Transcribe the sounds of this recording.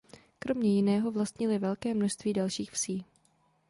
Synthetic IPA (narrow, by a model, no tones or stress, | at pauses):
kɾo̞mɲɛjɪnɛːɦo̞vlast̪ɲɪlɪvɛlkɛːmnoʃst̪viːdalʃiːxfsiː